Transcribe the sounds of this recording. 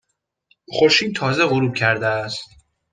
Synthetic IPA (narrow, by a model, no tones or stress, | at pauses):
χoɾʃiːd̪t̪ʰɒːzeɣoɾuːb̥̚cʰæɾd̪eæst̪